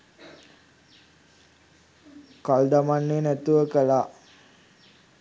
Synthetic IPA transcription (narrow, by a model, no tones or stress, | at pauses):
kald̪amanːenæt̪uʋəkəlaː